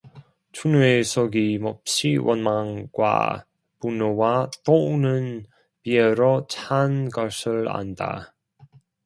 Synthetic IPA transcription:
t͡ɕʰunuesʰoɡimʌp̚ɕ͈iwʔʌnmaŋɡwa̰ | punowat͈onɯn | pieɾot͡ɕʰanɡʌsʰɯɭa̰nda̰

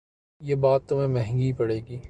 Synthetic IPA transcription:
jeːbaːt̪ːʊmẽmɛ̃ɦɛ̃ŋɡipɐɽeːɡiː

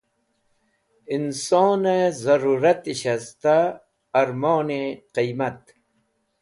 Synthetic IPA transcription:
insoːnezɐɾuːɾɐt̪iɕast̪aː | ɾmoːneqijmat̪̚

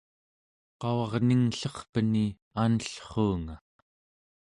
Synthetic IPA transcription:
qɑwɑʁniŋɬʌχpəni | anəɬχuːŋa

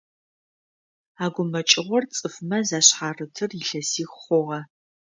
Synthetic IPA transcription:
aːɡʷʊmɐt͡ʃʼɪʁʷɔrt͡sʼɨfmɐzaːɕħaːrɨtʰɨrɪɬɐsiːxχʷɔʁɐ

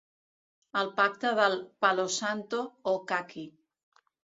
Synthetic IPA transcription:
əlˠpak̚t̪əðəlˠpalosant̪ookaki

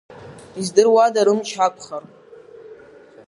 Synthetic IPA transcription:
izdɨrwadaɾɨmt͡ʃʰakʷʰʼχar

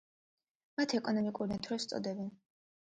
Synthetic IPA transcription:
mat̪ʰɛkʼɔnɔmikʼuɾinat̪ʰɾɔst̪sʼɔ̰d̪ɛbɛn

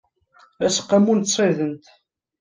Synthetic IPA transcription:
æsqːæmunt̪sˤeðənt̪

